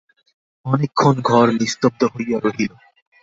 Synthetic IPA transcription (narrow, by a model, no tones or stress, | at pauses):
ɔnekʰːonɡʱɔɾnist̪ob̚d̪oɦojːaɾoɦilo